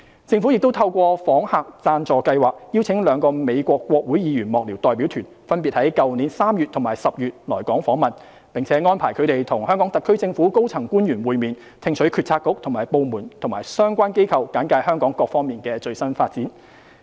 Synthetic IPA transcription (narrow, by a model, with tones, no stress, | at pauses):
t͡sɪ˧ŋfu˨˥jɪ˨k̚t̪o˥wt̪ʰɐ˧wkʷɔː˧fɔː˨˥ŋhaː˨k̚t͡saː˧nt͡sɔː˨kɐ˧jwaː˨k̚jiː˥wt͡sʰɪ˨˥ŋlœː˨˧ŋkɔː˧me˨˧jkʷɔː˧kːʷɔː˧k̚wuː˨˥jjiː˨˧jyː˨˩nmɔː˨k̚li˨˩wt̪ɔː˨jpi˨˥wt̪ʰyː˨˩nfɐ˥np̬iː˨t̚hɐ˨˥jkɐ˨wniː˨˥nsaː˥mjyː˨t̚t̪ʰʊ˨˩ŋmaː˨˩jsɐ˨p̚jyː˨t̚lɔː˨˩jkɔː˨˥ŋfɔː˨˥ŋmɐ˨n | pɪ˨ŋt͡sʰɛː˨˥ŋɔː˥npʰaː˨˩jkʰɵ˨˧t̪e˨jt̪ʰʊ˨˩ŋhœː˥ŋkɔː˨˥ŋt̪ɐ˨tkʰːɵ˥ɥt͡sɪ˧ŋfu˨˥ko˥wt͡sʰɐ˨˩ŋkuː˥njyː˨˩nwuː˨˧jmiː˨˩n | t̪ʰɪ˧ŋt͡sʰɵ˨˥ɥkʰy˧tt͡sʰaː˧kːʊ˥k̚t̪ʰʊ˨˩ŋmaː˨˩jpo˨˧wmuː˨˩nt̪ʰʊ˨˩ŋmaː˨˩jsœː˥ŋkʷaː˥nke˥jkʰɐ˨wkaː˨˥nkaː˧jhœː˥ŋkɔː˨˥ŋkɔː˧k̚fɔː˥ŋmiː˨nkɛː˧t͡ʃɵ˧ɥsɐ˥nfaː˧t̚t͡siː˨˥n